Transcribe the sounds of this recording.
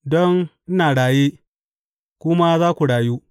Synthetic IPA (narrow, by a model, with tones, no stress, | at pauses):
dɔ˦ŋʔ̩˦naː˨ɽaː˨jeː˦ | kʷʊ˦ma˦zaː˦kʷu˨ɽaː˨juː˦